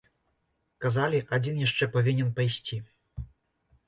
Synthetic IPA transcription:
kazalʲiʔad͡zʲinjaʂt͡ʂɛpavʲinʲɛnpajsʲt͡sʲi

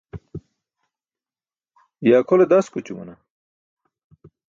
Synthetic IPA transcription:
jaːkʰoled̪askut͡ɕumɐ̰na

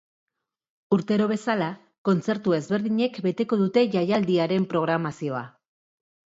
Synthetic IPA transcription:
uɾt̪e̞ɾo̞β̞e̞sala | ko̞nt͡se̞ɾt̪ue̞zβe̞ɾðiɲe̞kbe̞t̪e̞ko̞ðut̪e̞ʝajald̪iaɾe̞mpɾo̞ɣ̞ɾamasio̞a

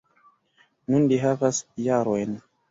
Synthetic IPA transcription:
nunliɦavasjaɾo̞jn

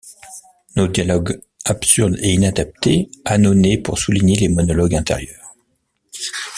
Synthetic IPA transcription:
nod̪jalɔɡ | apsyʁd̪einad̪ap̚t̪eanonepuʁsuliɲelemɔnɔlɔɡɛ̃t̪ḛʁjœːʁ

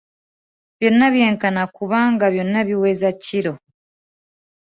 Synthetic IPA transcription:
βjo̞naβjeːŋkanakuβaŋɡaβjonnaβiwezaciɾo

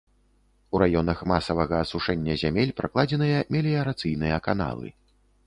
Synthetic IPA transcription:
uɾajɔnɐxmasɐvɐɣɐːsuʂɛnʲːɐzʲamʲelʲpɾaklˠad͡zʲɛnɨjɐmʲɛlʲijɐɾat̪sɨjnɨjɐkana̰lˠɨ̰

